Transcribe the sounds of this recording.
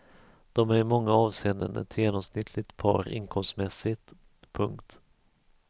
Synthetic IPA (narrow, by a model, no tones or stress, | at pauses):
d̪̥ɔmæɾmɔŋːaɑːvseːnd̪ə̰nɛ̰t̪ʰjeːnɔmsnɪt̪ʰlɪt̪pʰɑ̰ːɾɪ̰nkʰɔmst̪mɛsːɪt̪ | pʰɵŋkt̪